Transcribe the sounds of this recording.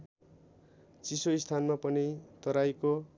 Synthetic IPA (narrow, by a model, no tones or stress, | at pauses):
t͡sisoist̪ʰanmapʌnit̪ʌɾajko